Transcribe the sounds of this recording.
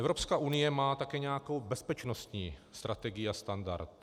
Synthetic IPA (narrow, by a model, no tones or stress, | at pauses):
ʔɛvɾo̞pskaːʔunɪjɛmaːt̪akɛːɲɛjakowbɛspɛt͡ʃno̞st̪ɲiːst̪ɾʔat̪ɛɡɪjiast̪anda̰ɾt̪